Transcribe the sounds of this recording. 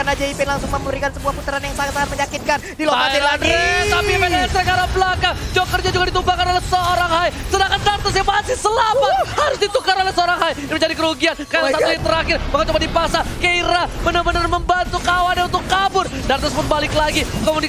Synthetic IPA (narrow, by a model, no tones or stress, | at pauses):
kanad͡ʒaipɪnlaŋsʊŋməməɾikansəbuahput̪əɾanjaŋsaŋat̪saŋat̪məɲakɪt̪̚kandiloasianɛt̪apipaajasəɾəkaɾabəlakad͡ʒokərɲad͡ʒuɡadit̪ubakanolɛhsəoɾaŋhajsədakandart̪əs̬jabaasɪsəlamat̪̚haɾʊsdit̪ukaɾolɛhsəoɾaŋɦaj | məɲd͡ʒadikəɾuɡiankaasat̪uhit̪əɾakɪrbakat͡ʃubadipaksakəiɾabənərbənərməmbant̪ukawanjaunt̪ʊkːabʊrdart̪əsbʊt̪̚balɪklaɡikomuni